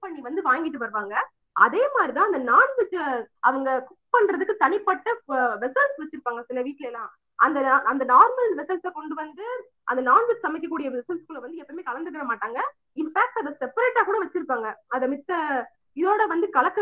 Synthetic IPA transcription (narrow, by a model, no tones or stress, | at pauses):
pɐɳːiʋɐnd̪ɯʋaːŋɡɪʈːɯʋɐɾɯʋaːŋɡɐ | ɐ̰ðeːmaːd̪ɾit̪ãːɐnd̪ɐnaːnsɪt͡ʃːɐʋɐŋɡɐkʊppɐɳɾɐðɯkːɯt̪ɐɳɪpːɐʈːɐʋɛsɐlsʋɐt͡ʃːɯɾɯpːaːŋɡɐsɪnːɐʋiːʈːleːnːãː | ɐnd̪ɐɐnd̪ɐnaːɾmɐlʋɛsɐlsɐkɔɳɖɯʋɐnd̪ɯ | ʔɐ̰nd̪ɐnaːnʋɪt͡ʃsɐmɪkːɐkːuːɽɪjɐɛsɐlskɯɭːɐʋɐnd̪ɯɛpːɐmeːkɐlɐnd̪ɯk̬ːɐɾɐmaːʈːaːŋɡɐ | ɪnfaːk̚ʈɐðɐsɛpɐɾeːʈːaːkuːɽɐʋɐt͡ʃːɪɾɯpːaːŋɡɐɐðɐmɪt̪ːɐ | ɪðoːɽɐʋɐnd̪ɯkɐlɐkːɯ